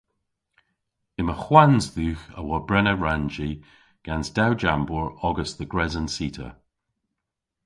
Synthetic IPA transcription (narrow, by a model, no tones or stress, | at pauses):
ɪməxwanzðʉːxə̰wɔbɹɛnəɹand͡ʒi | ɡ̥ansd̥awd͡ʒambɔɹɔɡəsðəɡɹɛzənsiːtʰə̰